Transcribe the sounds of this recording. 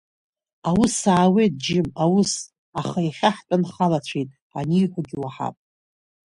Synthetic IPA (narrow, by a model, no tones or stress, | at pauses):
awusaːwejt̚d͡ʒɪmawʊs | aχajaχʲaħtʼanχalat͡ɕʷʰijtʼ | a̰niħʷaɡʲɪwaħa̰pʼ